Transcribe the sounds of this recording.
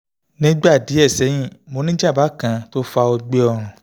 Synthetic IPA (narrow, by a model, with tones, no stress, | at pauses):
nĩ˦ɡ͡ba˦˨di˨˦ɛ˦˨sɛ˨˦j̃ĩ˦˨mo˨˧˦nĩ˦d͡ʒa˦˨ba˨˦kã˧to˦fa˧o˧ɡ͡be˧ɔ˧˨ɾ̃ũ˨